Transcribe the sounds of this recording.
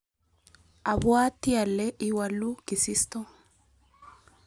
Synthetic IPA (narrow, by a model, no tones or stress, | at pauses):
ʔɐbʊaːt̪ːɪɐlːɛʔɪwɐlːuɡɪsɪst̪ɔ